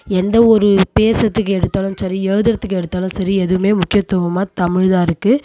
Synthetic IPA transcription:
ɛnd̪ɐɔɾɯpeːsɐt̪ːɯkːɯɛɽɯt̪ːaːlɯmsɐɾiɛɻɯðɪɾɐt̪ːɯkːɯɛɽɯt̪ːaːlɐmsɐɾiɛðɯʋɯmeːmʊkːɪjɐt̪ːɔʋɐmaːt̪ɐmɪɻðaːɾɯkːɯ

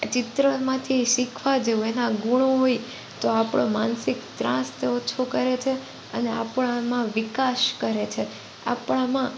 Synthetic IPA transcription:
t͡ʃɪt̪ɾəmãt̪ʰiʃikʰʋad͡ʒeuenãɡuɳ̃oɦoi | t̪oapɽ̃omansikt̪ɾã̰st̪ot͡ʃʰokəɾet͡ʃʰe | ənea̰pɳ̃amãʋikaʃkəɾet͡ʃʰe | a̰pɳamã

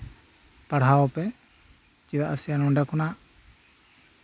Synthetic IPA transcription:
paɽɦawɔpɛ | t͡ʃid̪aʔasijanɔɳɖakɔnaʔ

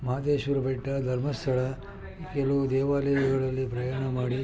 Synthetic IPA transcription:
mɐaːd̪eːʃʋɐɾɐbeʈːɐd̪ʱɐɾmɐst̪ʰɐɭɐ | kelɐʋud̪ɛːʋaːlɐjuɡɐɭɐlːipɾɐjaːɳɐmaːɽi

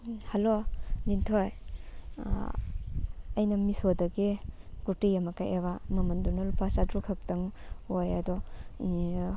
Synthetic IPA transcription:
hɐlonintʰoj | ɐjnɐmisodɐɡiɡ̥utijɐmɐkajʔeβamɐmɐndunɐlupasadɾukʰɐk̚tɐŋojɐdɔ

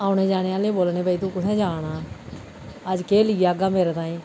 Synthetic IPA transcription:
aːʊɽeːd͡ʒaːɽ̃eːaːlẽːboːlneːbaːiːt̪ũːkʊʈʰɛ̃ːd͡ʒaːɽaː | əd͡ʒkeːlɪiːaːɡaːmeːɾeːt̪ãːĩː

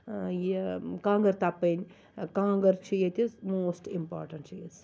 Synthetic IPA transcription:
jekãːŋɡɐɾt̪apːənʲ | kãːŋɡɐɾt͡ʃʰijet̪ʲizmoːsʈimpa̰ːɾʈɐɳʈt͡ʃʰijiz

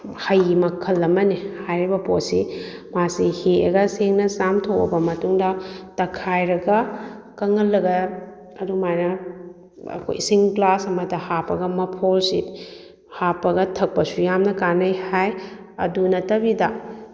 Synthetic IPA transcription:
hɐjmɐkʰːɐlːɐmɐnihajɾibɐpotsimasihiḛɡɐseŋnɐsamtʰokɐ̰bɐmɐtuŋdɐtɐkʰajɾɐɡɐkɐŋɐlːɐɡɐ | ɐdumajnɐ | ɐ̰kʰo̰jsiŋklasɐmɐdɐhapɐɡɐmɐpʰolsit | hapɐɡɐtʰɐk̚pɐsujamnɐkanɐjhaj | ɐ̰dunɐtɐbidɐ

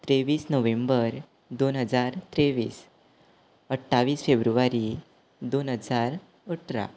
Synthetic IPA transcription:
t̪ɾeʋiːsnəʋẽmbəɾ | d̪onɦəd͡zaɾt̪ɾeʋḭːs | əʈʰːaʋiːsfebɾuʋaɾi | d̪onɦəd͡zaɾ | əʈʰɾa̰

